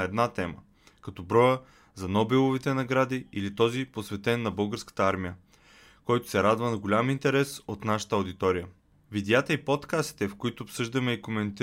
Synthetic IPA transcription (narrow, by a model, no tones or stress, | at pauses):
ɛd̪nat̪ɛmə | kɐt̪ɔbɾɔjə | zɐnɔbɛlˠovit̪ɛnɐɡɾad̪iilit̪ɔziposvɛt̪ɛnːɐbɤlˠɡəɾskə̥t̪əaɾmijə | kɔjt̪ʊ̥sɛɾad̪vənɐɡolʲamint̪ɛɾɛsot̪naʃə̥t̪əɐwd̪it̪ɔɾijə | vid̪ɛat̪əipot̪kast̪i̥t̪ɛfkoit̪ʊːpsɤʒd̪əmɛikomɛnt̪i